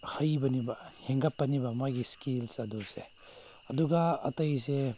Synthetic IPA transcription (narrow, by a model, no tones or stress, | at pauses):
həjbɐnibaheŋɡapːanibamaɡiskilsɐd̪use | ɐd̪uɡaɐtɐjse